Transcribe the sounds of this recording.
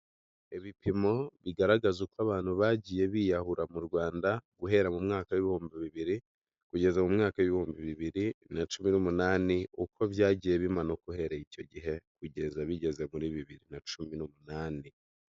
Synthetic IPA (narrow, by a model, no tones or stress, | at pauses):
eβipʰimo̞βiɡaɾaɡazukwaβaːn̥huβaɟije̞βiːjahuɾamuɾɡwaːndaɡ̥uɦe̞ɾamumŋaːkawiβihuːmbiβiβiɾi | kuɟe̞zamumŋaːkawiβihuːmbiβiβiɾinat͡ʃuminumunaːniukʰo̞βjaːɟiːje̞βimanokuhe̞ɾaico̞ɟiɦe̞kuɟe̞zaβiɟe̞ze̞muɾiβiβiɾinat͡ʃuminumunaːni